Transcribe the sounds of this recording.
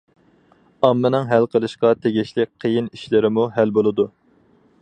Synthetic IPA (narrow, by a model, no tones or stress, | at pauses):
ɑmːɨnɨŋɦælqʰəlˠɨʃqɑt̪ʰeɡʲiʃlɪk̚ʲqʰəjiniʃlɪɾɪmuɦælbolˠɨd̪u